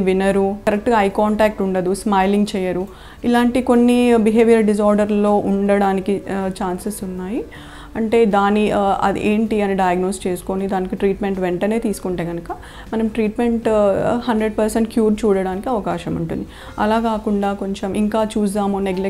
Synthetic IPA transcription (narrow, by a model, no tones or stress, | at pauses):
ʋinɐɾukɐɾɐk̚ʈɡaːɐjkaːɳʈaːk̚ʈuɳɖɐd̪usmɐːjliŋɡt͡ʃɛːjːɐɾu | ilaːɳʈiko̞nːibiɦe̞ːʋijɐɾɖis̬aːɾɖɐɾlo̞ːʔuɳɖɐɽaːnikit͡ʃaːnsɐsunːaːji | ɐɳʈe̞ːd̪aːniɐ̰d̪ḭʔeːɳʈiɐniɖɐjaɡnoːst͡ʃe̞ːsu̥konid̪aːnikiʈɾiːʈme̞ɳʈʋɛɳʈɐne̞ːt̪iːsu̥kuɳʈe̞ːɡɐnɐkɐ | mɐnɐmʈɾiːʈme̞ɳʈhɐɳɖɾeɖpɐɾseɳʈkjuːɾt͡ʃuːɽɐɽaːnikiɐʋɐkaːʃɐmuɳʈṵnd̪ii | ɐ̰laːkaːkuɳɖaːko̞ɲt͡ʃɐmʔiŋkaːt͡ʃuːs̬aːmuneɡle